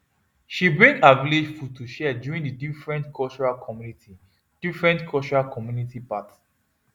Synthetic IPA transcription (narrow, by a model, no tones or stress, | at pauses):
ʃibɹĩŋɡaviled͡ʒfud̚tʰuʃɛdjuɹĩŋdidifɹɛ̃ntkʰɔlt͡ʃuɹakʰɔmjuniti | d̥ifɹɛ̃ntkʰɔlt͡ʃuɹakʰɔmjunitipats